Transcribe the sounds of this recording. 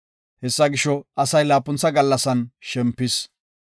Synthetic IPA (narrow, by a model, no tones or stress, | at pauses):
hɛsːɐɡɪʃɔɐsɐjlaːpːʊnt͡sːɐɡɐlːɐsɐnʃɛmpːɪs